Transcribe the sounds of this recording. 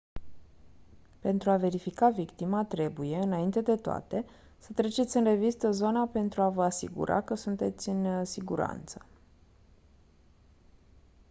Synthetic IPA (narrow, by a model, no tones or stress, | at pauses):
pe̞nt̪ɾuave̞ɾifikavikt̪imat̪ɾe̞buje̞ɨnaint̪e̞d̪e̞t̪oa̰t̪e̞ | sət̪ɾe̞t͡ʃe̞t̪sʲɨnre̞vist̪əzo̞nape̞nt̪ɾuavəasḭɡṵɾʔa̰kəsunt̪e̞t̪sʲɨnsiɡṵɾa̰nt̪sə̥